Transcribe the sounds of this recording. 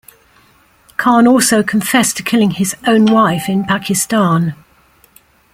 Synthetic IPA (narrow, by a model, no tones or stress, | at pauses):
kʰɑːnɔˑlˠsəʊkʰə̃ɱfɛstʰəkʰɪlɪ̃ŋɪzə̃ʊ̃nwaɪfɪ̃npʰakʰɪstɑ̃ːn